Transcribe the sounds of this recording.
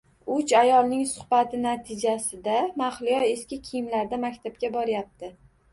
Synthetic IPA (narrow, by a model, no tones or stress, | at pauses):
ʊt͡ʃajɒlˠnɪŋsʊ̥χbat̪ʰɪnat̪ʰɪd͡ʒasɪd̪amaχlɪjɒe̞skʲɪkʲʰijɪmlaɾd̪amakʲt̪ʰab̚kʲabɒɾɪjap̚t̪ʰɪ